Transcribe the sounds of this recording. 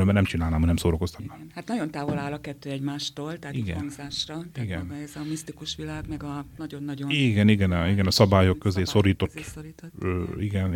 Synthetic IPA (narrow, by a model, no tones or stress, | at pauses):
ølmɛnɛmt͡ʃinaːlnaːmɒnɛmsoːɾokost̪ɒ̥t̪naːmhat̪nɒɟo̞nt̪aːvo̞laːlɒkɛt̪ːøːɛɟmaːʃt̪oːlt̪ɛɦat̪iɡɛ̰nzaːʃrɒt̪iɡɛnɛzɒmist̪ikuʃʋilaːɡmɛɡɒnɒɟo̞nːɒɟoniːɡɛniɡɛniɡɛnɒsɒbaːjo̞kːøzeːso̞ɾiːt̪o̞t̪ːoɾioiɡɛn